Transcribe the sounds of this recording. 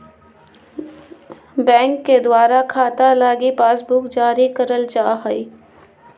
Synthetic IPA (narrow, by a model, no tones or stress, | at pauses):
bɛ̃ːŋkːed̪waːɾakʰaːt̪alaːɡipaːsbuːkd͡ʒaːɾikəɾəlt͡ʃaːɦəiː